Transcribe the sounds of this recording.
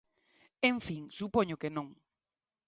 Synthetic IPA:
ẽɱfiŋsupoɲʊkenõŋ

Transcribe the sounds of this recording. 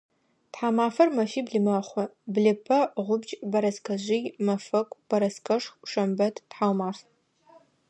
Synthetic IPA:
tħaːmaːfɐrmɐfiːbɮɨmɐχʷɔbɮɨpʰɐʁʷʊbt͡ʃʼbɐɾɐskʰɐʑʷijmɐfɐkʷʼb̥ɐɾɐskʰɐʂxʂɐmbɐtʰtħawmaːf

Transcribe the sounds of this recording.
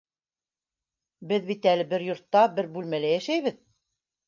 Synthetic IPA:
bɘðβit̪ælɘbɘɾjŏɾt̪ːɑbɘɾbʉlmælæjæʃæjβɘð

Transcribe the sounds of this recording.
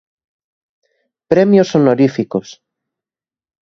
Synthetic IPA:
pɾɛmjosonoɾifikos

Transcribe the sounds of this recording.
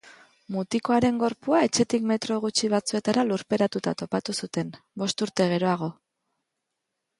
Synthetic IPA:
mut̪iko̞aɾe̞ŋɡo̞ɾpuae̞t͡ʃe̞t̪ikme̞t̪ɾo̞ɣ̞ut͡ʃiβ̞at͡sue̞t̪aɾaluɾpe̞ɾat̪ut̪a̰t̪o̞pat̪usut̪e̞n | bo̞st̪uɾt̪e̞ɣ̞e̞ɾo̞aɣ̞o̞

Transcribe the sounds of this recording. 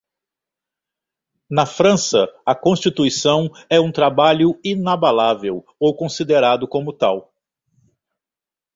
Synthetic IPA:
nɐfɾɐ̃sɐɐkõst͡ʃit̪uisɐ̃w̃ɛũt̪ɾabaʎʊinabalavew | owkõsid̪eɾad̪ʊkõmʊt̪aw

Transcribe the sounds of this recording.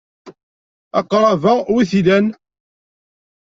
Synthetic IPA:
ɑ̰qɾˤɑvæwiθilæn

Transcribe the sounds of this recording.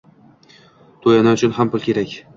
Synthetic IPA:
t̪ʰojanaʊt͡ʃʰʊnhampʊlˠkʲe̞ɾakʲ

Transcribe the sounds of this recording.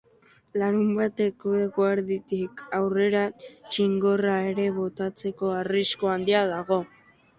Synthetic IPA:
laɾumbat̪e̞kekoaɾðit̪ikawre̞ɾat͡ʃiŋɡo̞rae̞ɾe̞βo̞t̪at͡se̞ko̞ariskoand̪iaðaɣo̞

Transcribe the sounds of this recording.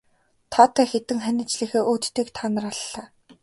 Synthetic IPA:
t̪ʰat̪ʰæːxet̪ɘ̆ŋχænʲɪ̆t͡ɕɮɘ̆xeːʔuːt̪t̪iːkt̪ʰanə̆raɮːaː

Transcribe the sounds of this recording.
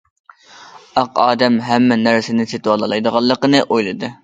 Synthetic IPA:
ɑqɑːd̪ɛmɦæmːɛnæɾsɪnɪset̪wɑlˠɑlˠɑjd̪əʁɑlˠːəqənɨʔojlˠɨd̪ɨ

